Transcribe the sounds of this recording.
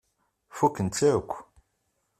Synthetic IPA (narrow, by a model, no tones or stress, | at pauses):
fukːənt̪t͡sːæəkʷː